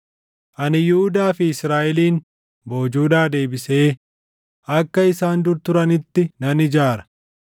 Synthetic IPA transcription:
ʔɐnɪjʊhʊd̪aːfɪːsɾaːʔɛliːn | bo̞ːd͡ʒuːd̪aːd̪e̞ːbɪse̞ː | ʔɐkːɐɪsaːnd̪ʊɾt̪ʊɾɐnɪt̪ːɪnɐnɪd͡ʒaːɾɐ̥

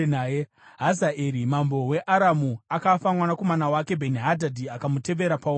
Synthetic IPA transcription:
naje | ɦazaʔeɾimambo̞we̞ʔaɾamuakafamwanako̞manawake̞bʱe̞niɦadʱadʱiakamute̞ʋe̞ɾapa

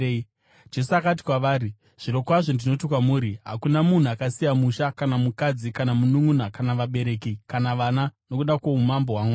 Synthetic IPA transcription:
d͡ʒe̞suakat̬i̥kwaʋaːɾi | ʐ̥iɾo̞kwaʐondino̞tikwamuːɾiɦa̰kunamun̤uakasijamuʃakanamukad͡zikanamunuŋunakanaʋaɓe̞ɾe̞ːkikanaʋanano̞kuɗako̞umamboɦwaːŋa

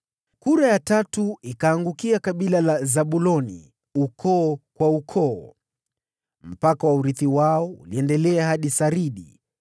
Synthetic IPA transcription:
kuɾajatatuikaːŋɡukiakaɓilalazaɓulɔnḭ | ukʰɔːkwaukʰɔː | m̩pakawauɾiθiwaɔuliɛndɛlɛaɦaɗisaɾiɗḭ

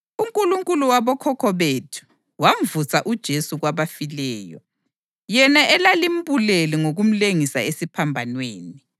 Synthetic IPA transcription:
uŋkʼuluŋkʼuluwaβɔkʰɔkʰɔβetʰu̥ | wam̩vusʰaʔud̥ʒ̥ʱesuɣwaβafilɛːjɔ̰ | jɛnaʔɛlalim̩buleliŋoɣum̩leŋisaesipʰambʱanweːni

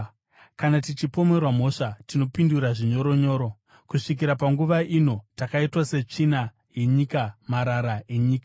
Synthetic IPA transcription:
kanatit͡ʃipo̞me̞rwamo̞ʂatino̞pinduɾaʐiɲo̞ɾo̞ɲo̞ːɾo̞ | kuʂik̬iɾapaŋɡuʋaʔino̞takaitwase̞t͡ʂina | je̞ɲikamaɾaɾaʔe̞ɲiːkḁ

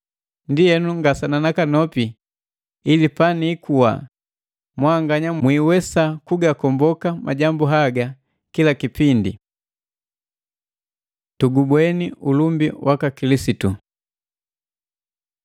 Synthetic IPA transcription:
ndijɛnuŋɡasananakanɔpi | ilipanikʰuwa̰ | mwaŋɡaɲamwiwɛsakuɡakɔmbɔkamʔa̰ɟambuɦaɡa | kilakipindḭ | tuɡubwɛniulumbiwakakilisitu

